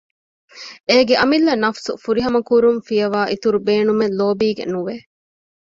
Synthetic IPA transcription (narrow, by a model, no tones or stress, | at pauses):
eːɡeʔɐmilːɐnɐfsufuɾiɦɐmɐkuɾumfijɐʋaːʔit̪uɾubeːnumenloːbiːɡḛnuʋe